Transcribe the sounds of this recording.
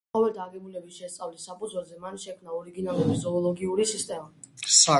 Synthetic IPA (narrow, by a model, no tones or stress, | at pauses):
ɔvɛlˠd̪aɡɛbulɛbisʃɛst̪sʼavlisapʼud̪zwɛlˠzɛmanʃɛkʰmnaɔɾiɡinalˠuɾizɔːlˠɔɡiuɾisist̪ʼɛmasa